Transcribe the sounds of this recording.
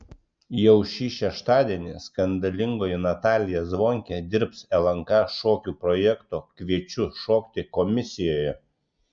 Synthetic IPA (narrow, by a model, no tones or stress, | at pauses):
jɛʊʃʲiːʃʲɛʃt̪ɑːd̪ʲiɛnʲɪskɐnd̪ɐlʲɪŋɡoːjɛnɐt̪ɑːlʲɪjɛzʋoːŋʲkʲɛd̪ʲɪɾpsɛlˠɐŋkɑʃoːkʲuːpɾɔːjɛkt̪oːkʋʲiɛt͡ʃʲʊʃoːkʲt̪ʲɪkɔmʲɪsʲɪjoːjɛ